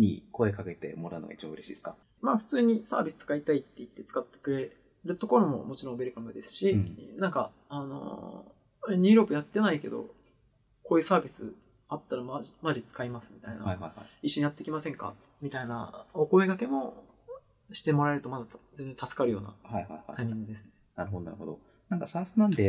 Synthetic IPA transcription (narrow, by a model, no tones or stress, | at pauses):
ɲ̟ḭko̞e̞kake̞t̪e̞̰mo̞ɾaɯnoɡait͡ɕɯ̟ɾe̞ɕḭːesɨ̥ka | maːɸɯ̟̥t͡sɨːɲ̟isa̰ːbʲisɨ̥t͡sɨ̥kait̪ait̪ːe̞it̪ːe̞t͡sɨ̥kat̪ːe̥kɯ̟ɾe̞ | ɾɯ̟t̪o̞ko̞ɾo̞mo̞̰mo̞t͡ɕiɾõbeɾɯ̟kamɯ̟d̪e̞sɨ̥ɕinãŋka | ano̞̰ | eɲiːɾo̞kɯ̟jat̪ːe̞naike̞̰d̪o̞̰ | ko̞ːjɯsaːbʲisɨ | at̪ːaɾamamad͡ʑit͡sɨ̥kaimasɨmʲit̪aina̰aiɕːo̞ɲ̟ijat̪ːekʲimasẽ̞ŋka̰ | mʲit̪aina̰oko̞e̞ɡake̞mo̞ | ɕi̥t̪e̞mo̞ɾaeɾɯ̟t̪o̞mad̪azẽ̞nd͡zẽ̞nt̪asɨ̥kaɾɯ̟jo̞ːna̰hajaaaimʲĩŋɡɯ̟d̪e̞sɨ̥nenaɾɯ̟ɦod̪onaɾɯod̪o̰ | nãŋkasaːsɨnãnd̪e